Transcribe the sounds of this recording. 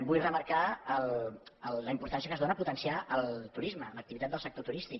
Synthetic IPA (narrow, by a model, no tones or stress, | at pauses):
bujrəməɾkaələlːəimpuɾt̪ans̬iəkəzðonəput̪ənsiaʔəlˠt̪uɾizmələk̚t̪iβit̪at̪̚d̪əlˠsəkt̪ot̪uɾist̪ik